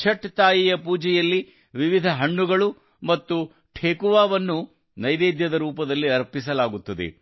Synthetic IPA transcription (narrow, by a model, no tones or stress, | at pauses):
t͡ʃʰɐʈːt̪aːjijɐpuːd͡ʒɛjɐlːi | ʋiʋid̪ʱɐɦɐɳːuɡɐɭu | mɐt̪ːu | ʈʰeːkuʋaːʋɐnːu | nɐjd̪eːd̪jɐd̪ɐɾuːpɐd̪ɐlːiɐɾpisɐlaːɡut̪ːɐd̪ḛ